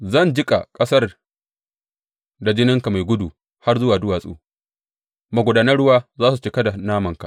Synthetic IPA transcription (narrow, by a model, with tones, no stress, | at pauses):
zɐ˦˨nd͡ʒɪ˦kʼa̰˨kʼɐ˦sɐ˦r | da˨d͡ʒɪ˦nɪ˦ŋka˨ma˨jɡʷʊ˦du˨ | ha˦rzʊ˦waː˨dʊ˦waː˨sʼṵː˦˨ | ma˨ɡʷʊ˨daː˦nɐ˦ɽʊ˦waː˦zaː˦su˨t͡ʃɪ˦kɐ˦da˨naː˦mɐ˨ŋka̰˨ʔ